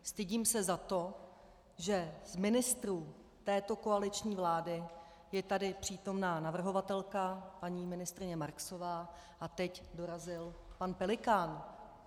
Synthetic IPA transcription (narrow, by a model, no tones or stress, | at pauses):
st̪ɪɟiːmsɛzat̪o̞ | ʒɛzmɪnɪst̪ɾuː | t̪ɛːt̪o̞ko̞alɪt͡ʃɲiːvlaːdɪ | jɛt̪adɪpr̝̥iːt̪o̞mnaːnavr̩ɦo̞vat̪ɛlkapaɲiːmɪnɪst̪ɾɪɲɛmaɾkso̞vaː | ʔat̪ɛcdo̞ɾazɪlpanpɛlɪkaːn